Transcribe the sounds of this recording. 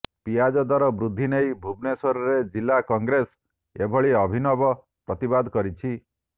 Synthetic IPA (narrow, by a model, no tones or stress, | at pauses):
pijad͡ʒɔd̪aɾɔbɾud̪ʱːinejbʱubnesɔɾɔɾed͡ʒilːakɔŋɡɾes | ebʱɔɭiɔbʱinɔbɔ | pɾɔt̪ibad̪ʱkɔɾit͡ʃʰi